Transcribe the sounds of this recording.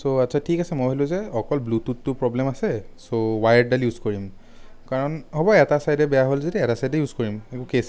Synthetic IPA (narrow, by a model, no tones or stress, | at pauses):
soatːsʰatʰikasɛmojɦilʊ̃zɛɔkɔlblututtːʊpɹɔblɛmasɛ | sowajɖdaljuzkoɹim | kaɹɔnɦobɔɛtasajdɛbɛjaɦolzetɛɛtasajdɛjuzkoɹimɛkʊ̃kes